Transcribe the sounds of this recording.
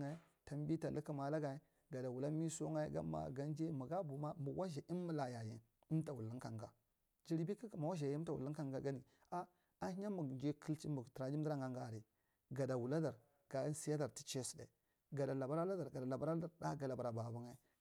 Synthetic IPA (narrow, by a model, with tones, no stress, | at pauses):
a˦ | ta˨m˦bi˦ta˨lə˦ki˦ma˨la˦ɡa˨i˦ | ɡa˨da˨wu˨la˦mi˦so˦ŋa˦ɡa̰˦ma̰˨ɡa˦n˦d͡ʒe˦mu˨ɡa˦bu˨ma˦mu˨wʔa˦ʒa˨ʔi˦mː˦u˦la˨ja˨jḭ˨ | i˦m˦ta˨wu˨lːi˦ŋka˨ŋɡa˨ | d͡ʒi˦ɾi˨bi˦ka˦ka˨ma˨wa˦ʒa˨jta˨wṵ˨lːi˦ka˦˨ŋɡa˦ɡa˦ni˨ | a˦ | a˦hi˦ɲa˦mu˨d͡ʒe˦kə˦lt͡ʃi˦mu˨ti˨ɾa˨d͡ʒi˦di˦ɾa˦ŋɡa˨ŋɡa˨ɾi˨ | ɡa˨da˨wu˨la˦da˨ɾ | ɡ̥a˨˦si˦ja˦da˨ɾti̥˦t͡ʃe˦si̥˨dḛ˨ | ɡa˨da˨la˨ba˦ɾa˦la˦da˨ɾɡa˨da˨la˨ba˦ɾa˦da˨ɾda˦ɡa˨la˨ba˨ɾa˨ba˨bu˦ŋa˦